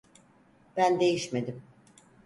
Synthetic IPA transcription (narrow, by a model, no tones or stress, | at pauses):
b̥ænd̪e̞jiʃme̞d̪im